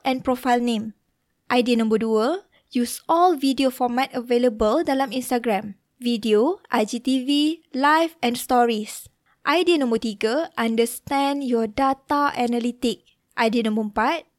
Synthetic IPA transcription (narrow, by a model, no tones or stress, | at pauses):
ʔɛ̃npɹɔfajlnẽm | ʔajdiənãmbəduə | jusɔlvidiofɔmɛt̚əveləbəldalãmĩnstaɡɹãm | vidioʔajd͡ʒit̪ivilajfɛ̃nstɔɹis | ʔajdiənãmbət̪iɡəʔãndəst̪ɛ̃njɔdat̪aʔɛnalit̪ik̚ | ʔajdiənãmbəəmpat̚